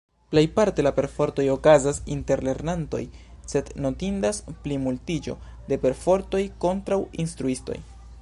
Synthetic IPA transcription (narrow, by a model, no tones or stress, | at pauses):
ple̞jpaɾte̞lape̞ɾfo̞ɾto̞jo̞kazasḭnte̞ɾle̞ɾnanto̞̰j | se̞dno̞tindasplimultid͡ʒo̞̰ | de̞pe̞ɾfo̞ɾto̞jko̞ntɾawinstɾuisto̞̰j